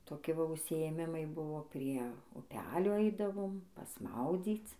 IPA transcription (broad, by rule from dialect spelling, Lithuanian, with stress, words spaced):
toːˈkʲɪ ˈʋɐ ʊʃʲsʲɪeːˈmʲɪmɐɪ ˈbʊʋoː pʲrʲiɛ ʊˈpʲæːlʲoː ˈɐɪdɐʋoːm pɐsˈmɐʊd͡zʲiːt͡s